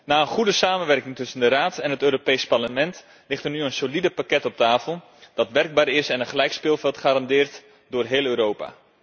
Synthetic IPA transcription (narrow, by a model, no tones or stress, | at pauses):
naːənχudəsaːmənʋɛrkɪŋtɵsəndəraːtɛnɦətøːɾopejsparləmɛnt | lɪxtərnyənsolidəpakɛtɔp̚taːfəl̩ˠ | d̥ɑtʋɛrɡ̚baːɾɪsɛnəχəlɛjkspɪːlˠfɛlˠtχaːɾɑndɪːrt | dʊːrɦeːlˠøːɾoːpa̰ː